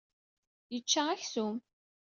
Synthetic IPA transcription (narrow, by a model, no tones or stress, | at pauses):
jət͡ʃːaæçsum